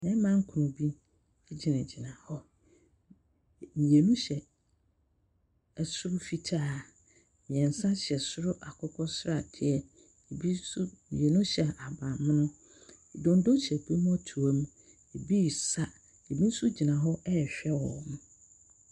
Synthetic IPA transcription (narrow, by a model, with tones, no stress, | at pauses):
mɛ̃˦mã˦ŋ̩˦kʰu˨nũ˨bi˦ | ɛ˦d͡ʑi˨nã˨d͡ʑi˨nã˨hɔ˦˨ | nĩ˨je˨nũ˦ɕɛ˨ | ɛ˨sʊ˦ɾʊ˦fi˦tʰaː˦ | mɪ̃˨ɛ̃˨n̩˨sã˦ɕɛ˨sʊ˦ɾʊ˦ʔa˨kʰʊ˦kʰɔ˦sʊ˦ɾa˨d̥ɪ˨ɛ˨ | e˨bi˦su˦nḭ˨e˨nũ˦ɕɛ˨ʔa˨bã˨m̃˦nʊ̃˦ | i˨dõ˨n˦do˦t͡ɕɛ˨pʰi˦m˦ɔ˦tʰu˨a˦m˦ | e˨bi˦˨sa˦ | e˨bi˦n̩˦su˦d͡ʑi˨nã˨ɦɔ˦ʔɛ˦˨ɕᶣɛ˦wɔ˨m˦